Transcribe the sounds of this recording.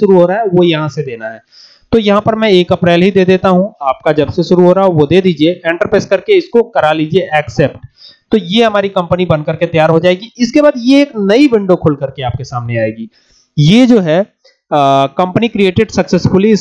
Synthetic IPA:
ʃʊɾuɦoːɾaɦɛʋojɐɦãsed̪eːnaɦɛː | t̪oːjɐɦãpɐɾmɛ̃eːkɐpɾeːlɦid̪eːd̪eːt̪aɦũaːp̚kad͡ʒɐbseʃʊɾuɦoːɾaːɦɛʋod̪eːd̪iːd͡ʒieʔɛ̃ːɳʈəɾpɾeːzkɐɾkeɪskokɐɾaliːd͡ʒieʔɛːksɛːpʈt̪ojeɦɐmaːɾikɐ̃mpənibɐ̃nkɐɾket̪ɐjaːɾɦod͡ʒaːeːɡiɪskebaːd̪jeːknɐiʋɪ̃ɳɖokʰʊlkɐɾkeaːp̚kesaːmneaːeːɡiː | jed͡ʒoːɦɛː | kɐ̃mpənikɾieːʈɪɖsɐksesfʊliɪ

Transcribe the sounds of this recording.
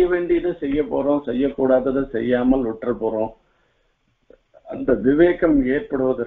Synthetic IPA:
ɐʋeːɳɖɪjɐðɯsɛjːɐpːo̰ːɾõːsɛjːɐkːuːɽaːðɯðɯsɛjːaːmɐlʊʈːrɐpːoːɾõː | ɐnd̪ɐʋɪʋeːkɐmeːrpɐɽɯʋɐðɯ

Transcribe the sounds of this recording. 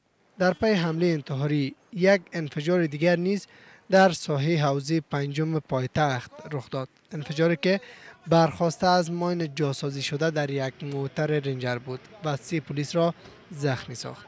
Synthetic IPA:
d̪aɾpajeɦamlejːnt̪ɪɦɒɾijaɡɪnfed͡ʒɒɾed̪iɡaɾniz | d̪aɾsɔɦeɦawzepand͡ʒʊmepɒjt̪axt̪ɾʊxd̪ɒd̪̥ɪnfed͡ʒɒɾikɪbaɾxɔst̪aːzmɔjnɪd͡ʒɒsɔziʃod̪ad̪aɾjaɡmot̪aɾeɾɪnd͡ʒaɾbud̪vasepʊlisɾɔ | zaxmisɒ̰χt̪

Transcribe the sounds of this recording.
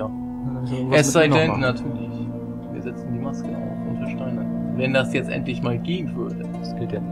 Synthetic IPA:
ɛsz̥aɪdɛnːatʰyːɐlɪç | əː | viːɐzɛt͡sn̩diːmaskə̰ʔʊntʰɐʃtaɪnavɛndasjɛt͡stʔɛ̰ntlɪçmaːlɡeːənvʏɐdə | sɪdɛ

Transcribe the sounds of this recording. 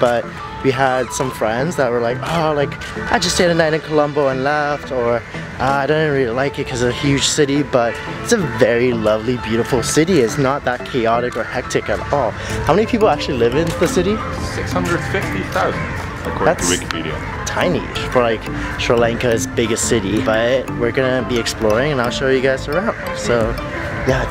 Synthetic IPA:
b̥ʌt̚ | wiəd̥sʌ̃ɱfɹɛ̃ndzðət̚wə˞laɪkolaɪk | ʔaɪd͡ʒʌsteɪɾɨ̃naɪɾɨ̃nkʰəlʌ̃mboʊə̃nlɛftə˞ | ʔʌaɪɾõʊ̃n̩̚ɹilˠilaɪkɨt̚kʰʌzɨɨhjʉd̥ʒ̥sɪɾibʌɾ | ɪtsɨvɛɹilʌvlibjʉɾəfl̩ˠsɪɾiɪtsnət̪̚ðət̚kʰeɪɑɾɨkə˞hɛk̚tɨkɨɾɔlˠ | haʊmɛ̃nipʰipl̩ˠæk̚t͡ʃʉl̩ˠilɪvɨ̃nðɨsɪɾi | sɪkshʌ̃ndɹəd̥fɪftiθaʊz̃n̩ | ɨkʰɔættwɪkə̥pʰḭɾḭɨ̰̃ | tʰãɪ̃nḭ̥fə˞laɪk | ʃɹəlɛ̃ŋkɨzbɪɡɨstsɪɾibʌɾt̚wɪɹɡʌnɨbiɨksplɔɹɪ̃ŋɨ̃naɪlˠʃoʊjɨɡaɪz̥ə˞ãʊ̃ndd̥soʊ | jæ

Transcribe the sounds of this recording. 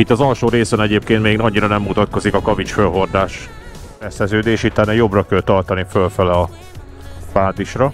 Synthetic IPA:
it̪ːɒzɒlʃoːɾeːsɛnɛɟeːpkeːnt̪meːɡnɒɲːiɾɒnɛmːut̪ɒt̪ko̞zikɒkɒvit͡ʃfølɦo̞rd̪aːʃ | ɛsɛzøːd̪eːʃit̪ːanɛjo̞brɒkɛlt̪ɒrt̪ɒnifølfɛlɛː | paːd̪iʃrɒ

